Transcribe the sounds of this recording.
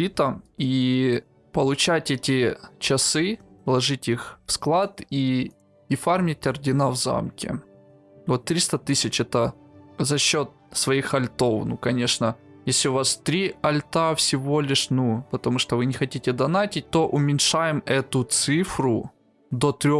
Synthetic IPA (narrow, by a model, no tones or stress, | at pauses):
it̪əi | pəlˠʊt͡ɕætʲɛtʲɪt͡ɕɐsɨlˠɐʐɨtʲixfsklˠat̪i | ɪfarmʲɪtʲɐrdʲɪnavza̰mkʲɪ̰ | vot̪ːɾʲist̪ət̪ɨsʲɪt͡ɕɛt̪ə | zɐɕːo̞t̪̚svɐixɐlʲt̪o̞fnukɐnʲeʂnə | jesʲlʲɪʊvast̪ɾʲiɐlʲt̪afsʲɪvo̞lʲɪʂnupət̪ɐmuʂt̪ovɨnʲɪxɐtʲitʲɪd̪ɐnatʲɪt̚ʲt̪o̞ʔʊmʲɪnʲʂajɪmɛt̪ʊt̪sɨfɾʊ | d̪ot̪ɾʲo